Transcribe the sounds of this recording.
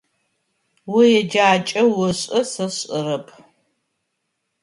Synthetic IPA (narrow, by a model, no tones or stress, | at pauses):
wʊjɛd͡ʒaːt͡ʃʼɐwʊɕʼɐsɐɕʼɨɾɐpʰ